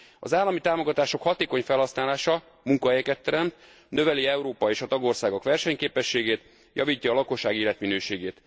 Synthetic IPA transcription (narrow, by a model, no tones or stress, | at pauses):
ɒ̰zaːlːɒmit̪aːmo̞ɡɒt̪aːʃo̞khɒt̪eːko̞ɲfɛlhɒsnaːlaːʃɒ | muŋkɒɦɛjɛkɛt̪ːɛɾɛmt̪ | nø̞vɛliɛuɾoːpɒeːʃɒt̪ɒɡo̞rsaːɡo̞kʋɛrʃɛɲkeːpɛʃːeːɡeːt̪ | jɒ̰viːcːɒːlɒko̞ʃːaːɡiːlɛt̪minøːʃeːɡeːt̪